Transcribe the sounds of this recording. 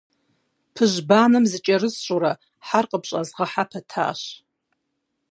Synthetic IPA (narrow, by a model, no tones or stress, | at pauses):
pʰɨʒbaːnɨmzɨt͡ʃʼɐrɨzɕʷʼuɾɐ | ħarqʼəpɕʼɐzʁɐħapʰɐtʰa̰ːʃ